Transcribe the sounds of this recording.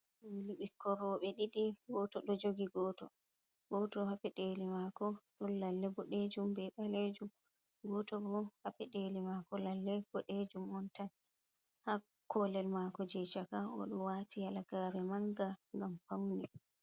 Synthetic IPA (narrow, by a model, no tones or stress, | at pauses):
ɗumluɓikʰːɔɾɔɓɛɗiɗiɡɔtɔɗɔd͡ʒoɡiɡɔːtɔ | ɡɔtɔhapɛɗelimakɔɗɔnːalːɛbɔɗed͡ʒumbɛɓaled͡ʒum | ɡɔtɔbɔhapɛɗelimakɔlalːɛb̥ɔɗed͡ʒumɔntan | ha | kɔlɛlmakɔd͡ʒɛt͡ʃakaɔ̰ɗɔwatijalaɡaɾɛmaŋɡaŋɡampawni